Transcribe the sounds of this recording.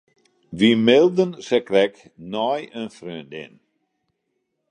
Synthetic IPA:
ʋimɪlˠdənsɛkrɛk | nɔjənfrøəndɪ̰n

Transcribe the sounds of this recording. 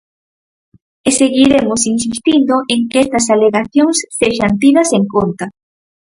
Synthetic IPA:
eseɣiɾemosinsist̪ind̪oʔeŋkɛst̪ɐsaleɣaθjoŋsːeʃɐnt̪iðɐseŋkont̪ɐ

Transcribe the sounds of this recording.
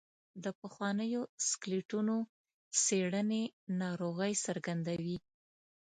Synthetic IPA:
d̪əpəxwɑnəjoskliʈuno | seɽənenɑɾoɣəjsəɾɡand̪awi

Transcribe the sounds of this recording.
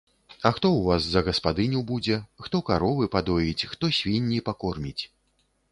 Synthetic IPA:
ɐxt̪ɔwvaszɐɣɐspad̪ɨnʲuwbud͡zʲɛxt̪ɔkaɾɔvɨpad̪ɔjit͡sʲxt̪ɔsʲvʲinʲːipakɔrmʲit͡sʲ

